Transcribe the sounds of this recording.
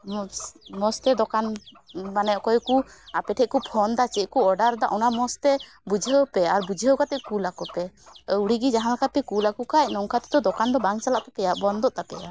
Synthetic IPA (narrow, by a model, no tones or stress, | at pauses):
mɔst̪ɛd̪ɔkan | banɛʔkɔjkuapɛʈʰɛc̚kupʰɔnd̪at͡ʃɛc̚kuɔɖaɾd̪aʔɔnamɔst̪ɛ | bud͡ʒʱiəwpɛaɾbud͡ʒʱiəwkat̪ɛkulakɔpɛuɽiɡid͡ʒaɦãlakʰapɛkulakukac̚nɔŋkʰat̪ɛd̪ɔd̪ɔkand̪ɔbaŋt͡ʃalaʔp̪ɛpɛjaʔbɔnd̪ɔʔt̪apɛja